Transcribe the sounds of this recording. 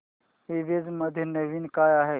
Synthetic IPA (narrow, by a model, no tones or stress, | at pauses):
iʋed͡zməd̪ʱjənəʋinkajaɦe